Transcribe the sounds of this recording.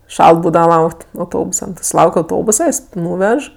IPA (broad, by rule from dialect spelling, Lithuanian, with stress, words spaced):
ˈʃɐlˠt ˈbuːdɐʋɐ ˈlˠɐʊktʲ ɐʊˈtoːbʊsɐ nʊ tʲɪ sʊˈlˠɐʊkʲ ɐʊˈtoːbʊsɐ jɪs ˈnuːʋʲɛʃ